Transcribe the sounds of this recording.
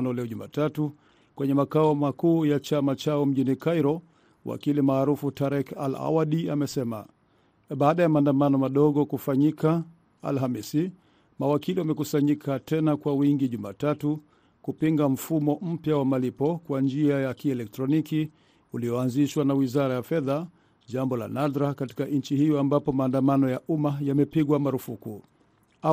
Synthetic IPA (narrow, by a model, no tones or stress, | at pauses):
nɔlɛɔʄuma̰ːtatu | kwɛɲɛmakaɔmakuːjat͡ʃamat͡ʃaɔm̩ʄinikajɾɔ | wʔa̰kilimaːɾufutaɾɛka̰la̰waɗiamɛsɛma̰ | ɓaːɗajamaːndamanɔmaɗɔɠɔkufaɲika | a̰lɦamisi | mawakiliwamɛkusaɲikʰatʰɛnakwawiŋɡiʄuma̰ːtatu | kupiŋɡam̩fumɔm̩pjawamalipɔkwand͡ʒiajakiɛlɛk̚tɾɔniki | uliɔanziʃwanawizaɾajafɛða | ʄambɔla̰nadɾakati̥kaɲ̩t͡ʃihijɔambapɔmaːndamanɔjaʔumajamɛpiɠwamaɾufuku | a